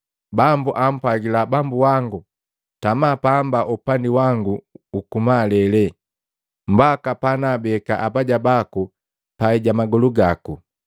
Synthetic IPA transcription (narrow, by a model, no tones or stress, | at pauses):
bambuʔam̩pwaɡilabambuwaŋɡu | tamapaːmbaʔupandiwaŋɡuːkumalɛlɛ | m̩bakapanabɛkaʔabaɟabaku | paiɟamaɡɔluɡaku